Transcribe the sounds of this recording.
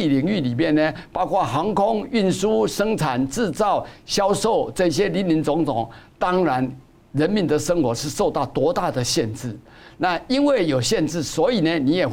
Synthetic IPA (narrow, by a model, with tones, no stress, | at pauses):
i˨li˨˥ŋy˥˨˩li˨˩mjɛ˥˨nne˨pɑ˥ʊkʰwa˥˩xɑ˧˥ŋkʰʊ˥ŋy˥˩nsu˥ʂɤ˥ŋt͡sʰa˨˩nʈ͡ʂɻ̩˥˧t͡sɑ˥˩ʊɕjɑ˥ʊʂo˥˨ʊt͡sɤ˥˧i˧ɕ̬jɛ˥li˧˥nli˧˥nt͡sʊ˧˥ŋt̪ʰʊ˨˩˦ŋt̪ɑ˥ŋɻa˨˦n | ɻə˧˦˥nmi˨˦nd̪ə˨ʂɤ˥ŋxwɔ˧˥ʂɻ̩˥˧ʂo˥˧ʊt̪ɑ˥˩ʊt̪wɔ˧˥t̪a˥˩d̪ə˩ɕjɛ˥˧nt͡sɹ̩˥˩ | na˥˨i˦˥nwe˥˩ɪjo˨˩ʊɕjɛ˥˧nt͡sɻ̩˥˩swɔ˧˥i˨˩ne˨ni˧˥jɛ˨˩